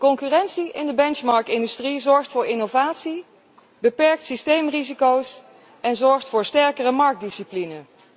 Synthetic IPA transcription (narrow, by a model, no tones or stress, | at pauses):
kɔŋkyːrɛnsiʔɪndəbɛnt͡ʃmɑɹk̚tɪndystrizɔɹχtfʊːɹɪnowvaːtsi | bəpɛɹk̚tsistejmrizikows | ɛnzɔɹχtfʊːɹstɛɹkərəmɑɹk̚disiplinən